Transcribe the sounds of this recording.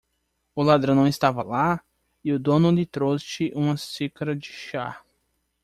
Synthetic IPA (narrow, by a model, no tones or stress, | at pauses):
ʊlad̪ɾɐ̃nɐ̃w̃ɪst̪avɐla | iʊd̪õnʊlɪt̪ɾosɪʔũmɐsikɐɾɐd͡ʒɪʃa̰